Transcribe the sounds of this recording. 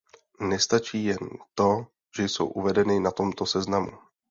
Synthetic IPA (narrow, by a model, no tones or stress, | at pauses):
nɛst̪at͡ʃiːjɛnt̪o̞ | ʒ̥ɛjso̞̰wʔuvɛdɛnɪnat̪o̞mt̪o̞sɛznamu